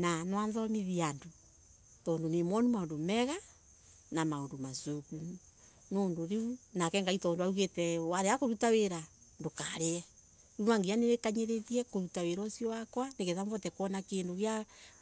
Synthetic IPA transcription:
nanwanzɔmiðiando | tɔːndonemɔnimaondomɛɣa | namaondomasuku | noːndoɾeunakɛŋɡaitɔːndoauɣetɛwaɾeakoɾutaweɾa | ndokaɾeɛ | unaŋɡianeɾekaɲeɾeðiɛkoɾutaweɾɔsijɔwakwaneɣeðamvɔtɛkwɔnakeːndoɣja

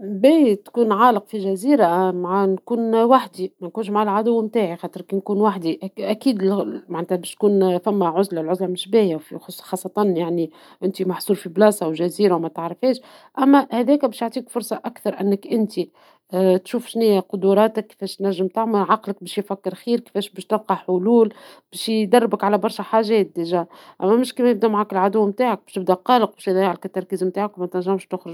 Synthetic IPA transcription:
bit̪kuːnʕɑːləqfiʒæziːɾamaʕankuːnwaħd̪imænkuːnʃmaʕalʕad̪ʊwːmt̪aːʕixɑːt̪əɾkinkuːnwaħd̪iʔʔækiːd̪maʕneːt̪æbɛːʃt̪̚kuːnfæmːæʕʊzlalʕʊzlamɪʃbæːjawfixʊsxɑːsˤːɑt̪ɑnjaʕni | ʔɪnt̪imɑħsuːɾfiblɑːsɑwʒæziːɾawmæt̪aʕɾɪfɛːʃ | ʔæmːæhæðɛːkbɛːʃjoʕt̪ˤiːkfʊɾˤsˤɑʔækθɑɾˤʔɪnːəkʔɪnt̪i | t̪ʃuːfʃnɪjæqʊd̪uɾˤɑːt̪akːe̥fɛːʃt̪næʒːɪmt̪aʕmalʕɑqlək̚bɛːʃjfækːɪɾxiːɾke̥fɛːʃbɛːʃt̪ɪlqɑħʊluːlb̥ɛːʃjd̪ɑrˤːɪbəkʕalæbɑɾˤʃæħaːʒɛːt̪̚d̪eʒæʔæmːæmɪʃkimɛjɪb̚d̪æmaʕaːkɪlʕad̪ʊwːmt̪aːʕak̚bɛ̥ʃt̪ɪbd̪æqɑːləq̚bɛːʃjd̪ˤɑjʕlkɪt̪ːɑɾˤkiːzmt̪aːʕakwmɛt̪næʒːæmʃt̪ʊxɾɪʒ

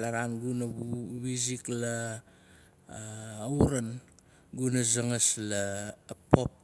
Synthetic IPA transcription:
laɾanɡunawizikla | wɾan | ɡunazaŋaslapo̞p̚

